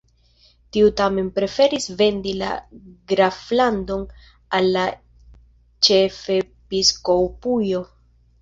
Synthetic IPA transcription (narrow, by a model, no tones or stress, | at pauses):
tiutame̞npɾe̞fe̞ɾisve̞ndila̰ɡɾaflando̞n | alːa | t͡ʃe̞fe̞ | pisko̞pujo̞